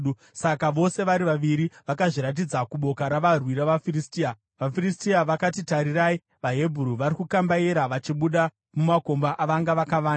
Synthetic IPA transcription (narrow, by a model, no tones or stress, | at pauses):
u | sakaʋo̞se̞ʋaɾiʋaʋiɾiʋakaʐiɾat̬id͡zakuɓo̞kaɾaʋarwiɾaʋafiristiːa | ʋafiristiaʋakatitaɾirai | ʋaɦe̞bʱuɾuʋaɾikukambaiɾaʋat͡ʃiɓuɗa | mumako̞mbaʔaʋaŋɡaʋakaʋaːna